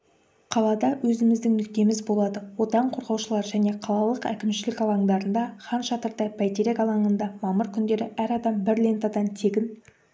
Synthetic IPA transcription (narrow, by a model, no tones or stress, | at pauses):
qʰɑlˠɑd̪ɑwɵzɪmɪzd̪ɪŋnʏk̚t̪e̞mɪzbo̞lˠɑd̪əwo̞t̪ɑɴqʰo̞ɾʁɑwʃəlˠɑɾʒæne̞qʰɑlˠɑlˠəqæ̰kʲɪmʃɪlɪkɑlˠɑɴd̪ɑɾənd̪ɑχɑnʃɑt̪əɾd̪ɑjpʰæjt̪eɾekɑlˠɑɴənd̪ɑmɑməɾkʲʰʏnd̪e̞ɾɪʔæɾɑd̪ɑmbɪɾle̞nt̪ɑd̪ɑnt̪ʰe̞ɡʲɪn